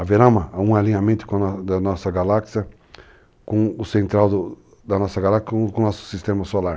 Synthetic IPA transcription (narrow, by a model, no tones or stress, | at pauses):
aveɾɐ̃mɐaũalĩɲamẽnt̪ʊ̥kõd̪ɐnɔsɐɡalaksiɐ | kõʊsẽnt̪ɾawd̪ʊ | d̪ɐnɔsɐɡalakskõnɔsʊ̥sist̪ẽmɐsolaɾ